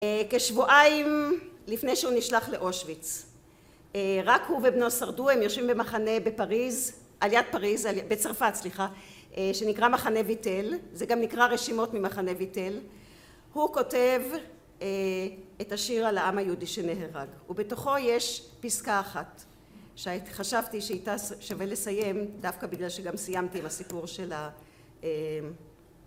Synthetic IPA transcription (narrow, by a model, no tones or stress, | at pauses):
eke̞ʃvuʔaimlifnejʃeuniʃlaχle̞ʔo̞ʃvit͡s | ʁakhuvebnosaʁduemjoʃvimbemaχane̞bepaʁiz | ʔaljad̚paʁizabet͡saʁfatsliχa | ʃe̞nikʁamaχane̞vite̞lzeɡamnikʁaʁeʃimo̞tmimaχane̞vite̞l | huko̞te̞v | etaʃiʁalaamajudiʃeneɦeʁaɡube̞to̞χo̞je̞ʃpiskaːχat | ʃeatχaʃavtiʃeajtaʃavelesaje̞md̪afkabiɡlalʃeɡamsijamtiimasipuʁʃe̞la | e